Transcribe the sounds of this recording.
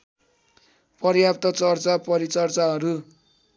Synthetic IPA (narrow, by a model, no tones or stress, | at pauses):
pʌɾjapt̪ʌt͡sʌrt͡sapʌɾit͡sʌrt͡saɦʌɾu